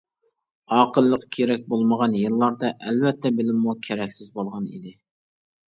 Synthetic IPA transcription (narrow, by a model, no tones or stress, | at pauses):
ɑːqəlˠːəqkʲʰeɾɛk̚ʲbolˠməʁɑnjɨlˠːɑɾd̪ɑʔɛlvɛt̪ʰːɛbɪlɪmːukʲʰeɾɛkʲsɪzbolˠʁɑnḭd̪ɪ